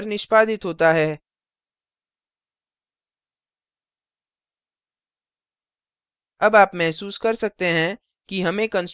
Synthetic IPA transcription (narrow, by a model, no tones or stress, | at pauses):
ɾnɪʃpaːd̪ɪt̪ɦoːt̪aɦɛː | ɐbaːpmɛɦsuːskɐɾsɐk̚t̪eɦɛ̃ | kiɦɐmẽkɐ̃ns